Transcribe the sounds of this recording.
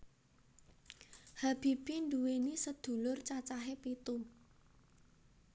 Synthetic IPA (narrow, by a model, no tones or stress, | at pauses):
hab̥i̤b̥induwenisəd̪̥ṳlʊrt͡ʃat͡ʃaɦepit̪u